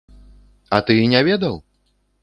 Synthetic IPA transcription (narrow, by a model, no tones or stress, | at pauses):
at̪ɨinʲavʲɛd̪ɐw